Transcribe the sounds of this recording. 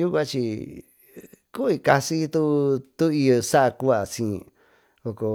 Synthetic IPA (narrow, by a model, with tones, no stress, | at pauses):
ju˦kʷã˦t͡ʃi˧ | ku˦i˧ka˧si˦t̪u˦t̪u˦i˧jo˧sa˦ʔa˧ku˦a˨sĩ˧˨˧ | o˧˨ko˧